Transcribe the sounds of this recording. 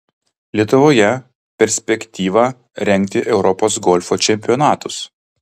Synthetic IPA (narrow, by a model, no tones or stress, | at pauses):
lʲiɛt̪ʊʋoːjɛ | pʲɛɾʲsʲpʲɛkʲt̪ʲiːʋɑ | ɾʲɛŋʲkt̪ʲɪʔɛʊɾɔpoːsɡɔlʲfoːt͡ʃʲɛmʲpʲɪɔnɑːt̪ʊs